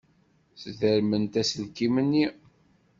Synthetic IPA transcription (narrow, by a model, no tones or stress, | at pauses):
sðəɾmənt̪æsəlkimənːi